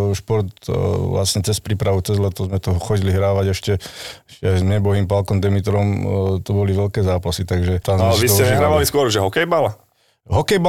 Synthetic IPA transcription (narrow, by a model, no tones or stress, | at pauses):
ʃpɔɾt̪ʋla̰sɲɛt͡sɛspɾiːpɾaʋut͡sɛzlɛt̪ɔzmɛt̪ɔɦɔxɔɟiliɦɾaːʋaɟɛʃcɛɛʃcɛajzmɲɛbɔɦiːmpalkɔmd̪ɛmit̪ɾɔmt̪ɔbɔliʋɛʎkɛːzaːpasit̪aɡʒɛt̪azlɛʋisɛɲɛɦɾaːʋaliskʊɔɾʒɛɦɔkɛjbala | ɦɔkɛjba